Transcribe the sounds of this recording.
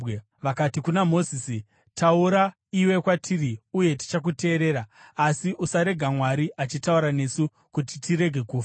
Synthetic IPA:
ʋakatikunamo̞zisi | tauɾa | iwe̞kwatʰiriuje̞ti̥t͡ʃak̬ute̞ːɾe̞ːɾaːsiʔusaɾe̞ɡʱamwaɾiʔat͡ʃitauɾane̞su | kutitiɾe̞ɡʱe̞kuːfa

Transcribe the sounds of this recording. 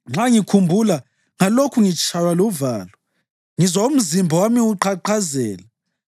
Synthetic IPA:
ŋ͡ǁaŋikʰumbʱula | ŋalokʰuŋit͡ʃʰʼawaluvaːla | ŋizaum̩zimbʱɔwamiuǃʰaǃazɛːla

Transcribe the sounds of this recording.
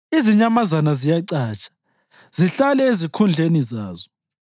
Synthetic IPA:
iziɲamazanazijaǀaːt͡ʃʼḁ | z̥iɬalɛezikʰund͡ɮʱenizaːzɔ

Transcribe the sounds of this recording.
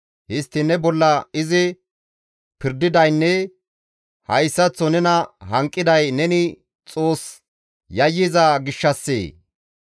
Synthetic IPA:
hɪst̪ːɪnɛbɔlːɐɪzɪ | pɪɾd̪ɪd̪ɐjnːɛ | hɐjsːɐt͡sːɔnɛnɐɦɐŋkʼːɪd̪ɐjnɛnɪ | t͡sʼo̞ːs | jɐjːɪzɐɡɪʃːɐsːḛː

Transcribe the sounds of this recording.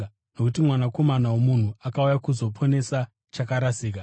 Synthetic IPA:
no̞kutimwanako̞manawomun̤uakaujakuzo̞pʰo̞ne̞sa | t͡ʃakaɾasiːk̬a

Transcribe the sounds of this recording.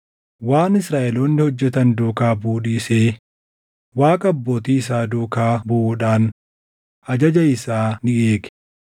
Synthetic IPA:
waːnɪsɾaːʔɛloːnːɪhɔd͡ʒːɛt̪ɐnd̪oːkaːbuːᶑiːseː | waːkʼɐɐbːoːt̪iːɪs̬aːd̪oːkaːbʊᶑaːn | ɐd͡ʒɐd͡ʒɐɪsaːnɪʔeːkɛ̥

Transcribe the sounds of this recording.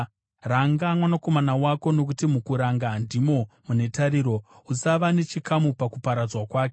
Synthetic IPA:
raŋɡamwanako̞manawako̞no̞k̬utimukuɾaŋɡandimo̞mune̞taɾiːɾo̞ | usaʋane̞t͡ʃikamupakupaɾad͡zwakwaːk̬e

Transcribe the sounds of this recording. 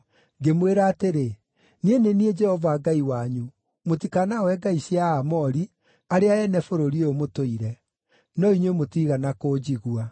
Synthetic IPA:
ɡemweɾaːteɾe | nienenied͡ʒɛhɔvaːɡaiwaɲu | mot̬ikanawɛɡaisjaːmɔɾi | aɾeaɛnɛfoɾoɾieomotoiɾɛ | nɔiɲwemotiɣanakoːd͡ʑiɣua

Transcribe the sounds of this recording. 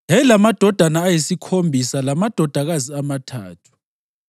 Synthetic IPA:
jajɛlamad̥ʱɔd̥ʱanaːjisikʰombʱisalamad̥ʱɔd̥ʱaɣaziamatʰa̰ːtʰu̥

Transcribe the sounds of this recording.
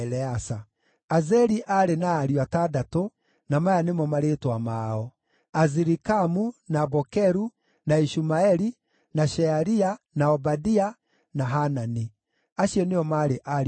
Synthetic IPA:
lɛasa | azɛɾiʔaɾenaːɾiwatadato | namajanemɔmaɾetwamaːɔ | aziɾikamunabɔkɛɾu | naiʃumaɛɾi | naʃɛaɾia | naɔbadia | naɦanani | aɕiɔneɔmaɾeʔaɾ

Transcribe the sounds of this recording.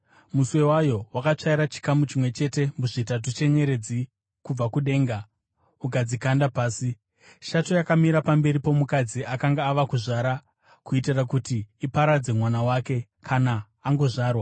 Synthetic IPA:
muswe̞wajo̞wakat͡ʂaiɾat͡ʃi̥kamut͡ʃimwe̞t͡ʃe̞te̞muʐitat̬ut͡ʃe̞ɲe̞ɾe̞d͡zi | kub͡vakuɗe̞ːŋɡa | ukad͡zikandapaːsi | ʃato̞jakamiɾapambe̞ɾipo̞mukad͡ziakaŋɡaːʋakuʐaɾa | kuitirakutiːpaɾad͡ze̞mwanawake̞ | kʰanaː | ŋɡo̞ʐaːrwa

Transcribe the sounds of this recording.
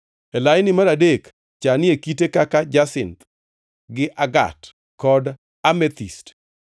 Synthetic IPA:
elajnɪmaɾadek | t͡ʃanɪekitekakad͡ʒasɪnt̪ | ɡɪʔaɡa̰t | kɔd | amɛt̪ist

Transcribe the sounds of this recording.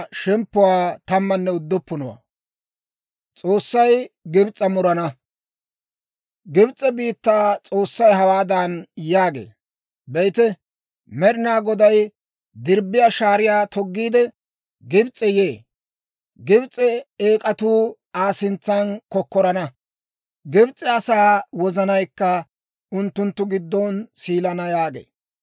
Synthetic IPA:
ʃɛmpːʊwaːt̪ɐmːɐnːɛʊd̪ːʊpːʊnɔwa̰ː | t͡sʼo̞ːsːɐjɡɪbt͡sʼːɐmʊɾɐnɐ | ɡɪbt͡sʼːɛbiːt̪ːaːt͡sʼoːsːɐjɦɐwaːd̪ɐnjaːɡḛː | bɛjt̪ɛ | mɛɾɪnaːɡɔd̪ɐj | d̪ɪɾbːɪjaːʃaːɾɪjaːt̪ɔɡːiːd̪ɛ | ɡɪbt͡sʼːɛjeː | ɡɪbt͡sʼɛeːkʼɐt̪uː | aːsɪnt͡sːankɔkːɔɾɐnɐ | ɡɪbt͡sʼɛɐsaːwɔzɐnɐjkːɐ | ʊnt̪ːʊnt̪ːʊɡɪd̪ːɔnsiːlɐnɐjaːɡḛː

